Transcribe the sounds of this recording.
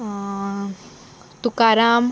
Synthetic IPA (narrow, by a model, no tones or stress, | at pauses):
t̪ukaɾaːm